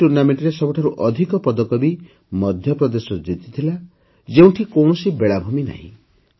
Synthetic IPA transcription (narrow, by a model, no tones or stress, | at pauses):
uɾnameɳʈɾesɔbɔʈʰaɾuʔɔd̪ʱikɔpɔd̪ɔkɔbi | mɔd̪ʱjɔpɾɔd̪esɔd͡ʒit̪it̪ʰila | d͡ʒeũʈʰikɔwɳɔsibeɭabʱumina̰ɦḭ̃